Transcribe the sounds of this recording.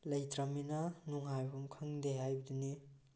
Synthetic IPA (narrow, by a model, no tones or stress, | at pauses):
lɐjtɾaminɐnuŋɦajbumkʰɐŋdeɦajbɐdini